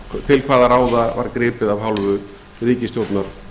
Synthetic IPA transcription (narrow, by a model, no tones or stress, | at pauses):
t̪ʰɪlkʰvaːðaɾaːwðava̰ɾkɾɪːpɪðavɦawlvʏ | ɾiːcɪst̪jowt̪naɾ̥